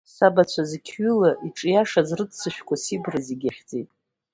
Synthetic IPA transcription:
sabat͡ɕʷʰazkʲʰɥʏlaʔiʈ͡ʂʼjaʂazrɨdsʰɨʃᶣkʷasibraziɡʲaχʲd͡zitʼ

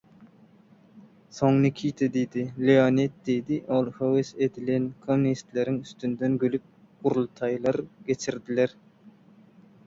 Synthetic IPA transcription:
soŋnɪkʲʰijt̪ʰed̪ijd̪ilionet̪̚d̪ejd̪iʔolˠhowesed̪ilɛnkʰomnist̪leɾɪŋyst̪ynd̪ɛnɡʲølyp̚ | qʊɾulˠt̪ʰɑjlˠɑɾɡ̥ʲet͡ʃʰiɾd̪ilɛɾ

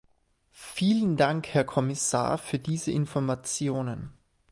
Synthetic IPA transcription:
fiːləndaŋkhɛɐkʰɔmɪsa̰ːɐfyːɐdiːzəʔɪnfɔɐmat͡sjoːnən

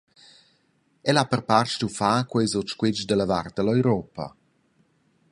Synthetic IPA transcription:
ɛlapərpart͡ʃtufaːkwɛjzɔt͡ʃkwɪd͡ʒdələvart̪̚əlɔjɾɔpə̰

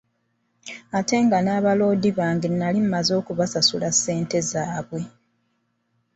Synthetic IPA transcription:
ate̞ŋɡanaːβalo̞ːdiβaːŋɡennalimmazo̞ːkuβasasulasːe̞ːnte̞zaːβwe̞

